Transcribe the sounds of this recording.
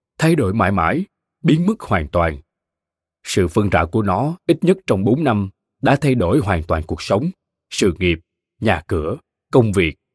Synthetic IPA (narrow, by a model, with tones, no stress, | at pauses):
t̪ʰa˧jɗo˧˩jma̰ː˧˩jma̰ː˧˥j | ɓi˨˦ənmɨ˦˥k̚hwaː˨˩nt̪waː˨˩n | sɨ̰˧˨fə˧ŋt͡ɕa̰ː˧˨wku˧˩ənɔ˨˦ʔi˦˥t̚ɲə˦˥t̚t͡ɕɔ˧wŋ͡mɓo˨˦nːa˧m | ɗa̰ː˧˥t̪ʰa˧jɗo˧˩jɦwaː˨˩nt̪waː˨˩nku˨˩ək̚sə˨˦wŋ͡m | sɨ̰˧˨ŋi˨˩əp̚ | ɲaː˨˩kɨ˧˩ə | kə˧wŋ͡mvi˨˩ək̚